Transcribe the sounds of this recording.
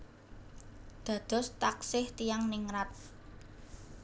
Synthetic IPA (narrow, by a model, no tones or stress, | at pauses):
d̪̥ä̤d̪̥ɔ̤st̪aksɪht̪ijaŋnɪŋɾat̪̚